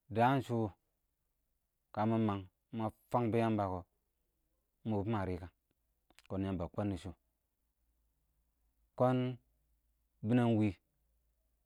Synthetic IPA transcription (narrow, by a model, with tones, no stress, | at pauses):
da˦n˦ʃu˦˨ | ka˨˦ma˦ma˨ŋ˦ | ma˨fa˦ŋbi˦ja˦mba˨ko˨˦ | ma˨˦pma˨ɾi˦ka˨ | ko˨nja˦mba˨ko˦nːi˨ʃu˦ | ko˦n | bi˦na˦nwi˦